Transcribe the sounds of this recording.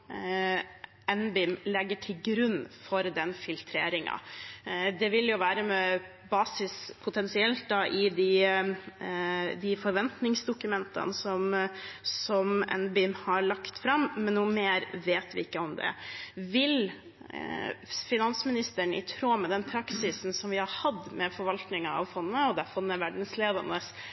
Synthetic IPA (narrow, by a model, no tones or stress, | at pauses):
ɛnbɪmlɛɡːəʈʰɪlɡɾʉnːfɔɾd̪ɛnfɪlt̪ʰɾeːɾɪŋɑ̰ | d̪ɛʋɪljʊʋæːɾəmɛ | bɑːsɪspʰʊt̪ʰɛnsɪɛlt̪̚d̪ɑʔɪd̪ɪ | d̪ɪfɔɾʋɛnt̪nɪŋsd̪ʊkʉmɛnt̪ʰɑ̰nsɔmsɔmɛ̰nbɪmhɑɾɭɑkt̪fɾɑmːɛnːuːmeːɾʋeːt̪ʋɪɪkːəɔmd̪ɛ̰ʋɪl | fɪnɑnsmɪnɪst̪əɳɪ̰t̪ʰɾoːmɛd̪ɛnpʰɾɑksɪsn̩sɔmʋɪhɑɾhɑd̪mɛfɔɾʋɑlt̪nɪŋɑ̰ʋfɔnːəɔd̪ɛfɔnːəʋæɖɳ̩sleːd̪ɑ̰nəs